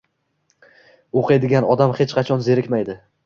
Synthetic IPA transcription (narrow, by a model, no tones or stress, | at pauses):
oqʰed̪ɪɡʲanɒd̪amhet͡ʃqʰɑt͡ʃʰɒnze̞ɾɪkʲmajd̪ɪ